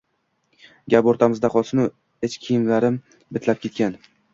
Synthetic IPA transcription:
ɡʲapoɾt̪ʰamɪzd̪aqʰɒsɪnʊ | et͡ʃkʲʰijɪnlaɾɪm | bɪt̪ʰlap̚kʲe̞t̪kʲan

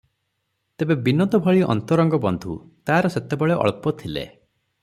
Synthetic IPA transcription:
t̪ebebinɔd̪ɔbʱɔɭiɔ̰nt̪ɔɾɔŋɡɔbɔnd̪ʱut̪aːɾɔset̪ebɔɭeʔɔ̰ɭpɔt̪ʰilḛ

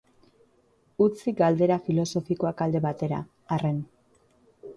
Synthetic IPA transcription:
ut͡siɡald̪e̞ɾafilo̞so̞fiko̞akald̪e̞βat̪e̞ɾa̰ | are̞n

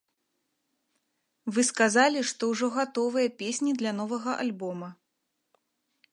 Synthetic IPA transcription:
vɨskazalʲiʂt̪ɔwʐɔɣat̪ɔvɨjɐpʲesʲnʲid̪lʲɐn̪ɔvɐɣɐʔa̰lʲbɔmɐ

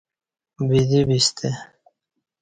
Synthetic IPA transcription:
bid̪ibist̪ʰe

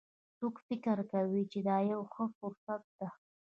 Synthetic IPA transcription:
t͡sokfɪkəɾkawit͡ʃed̪ɑjawxəfʊɾsat̪̚d̪̥a

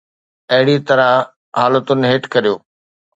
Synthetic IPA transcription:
ɐɦɪɽit̪ɐɾa | ɦaːlət̪ʊnɦeːʈkɐɾijoː

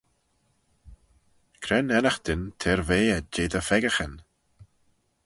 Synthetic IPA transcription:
kʰɾɛnɛnəxd̪̥ɪnt̪ʰeːɾveːɛd͡ʒeːd̪əfɛɡəxən

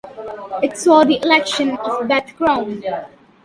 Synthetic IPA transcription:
ɪʈsɔːd̪iʔɪlɛkʃə̃nɔvbɛt̪kɾãʊ̃n

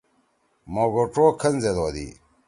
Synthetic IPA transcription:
moːɡoʈ͡ʂoːkʰɐnzed̪oːd̪ḭ

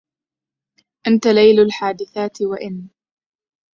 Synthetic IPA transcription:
ʔant̪alajlalħaːd̪ɪθaːt̪waʔɪn

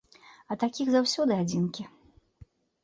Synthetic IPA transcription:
ɐt̪akʲiɣzawsʲɔd̪ɨad͡zʲinkʲi

